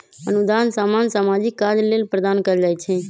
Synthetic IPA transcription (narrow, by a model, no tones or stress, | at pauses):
ənud̪ansamansamad͡ʒikːaɾlelpɾəd̪ankəd͡ʒajt͡ʃʰɛ